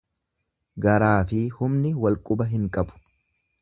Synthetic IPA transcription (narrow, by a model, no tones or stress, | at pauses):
ɡɐɾaːfɪhʊmnɪwɐlkʼʊbɐɦɪŋkʼɐbʊ̥